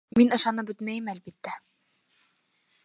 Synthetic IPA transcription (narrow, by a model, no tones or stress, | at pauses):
minɤ̆ʃɑnɤpbɵt̪mæjɘmælbit̪ːæ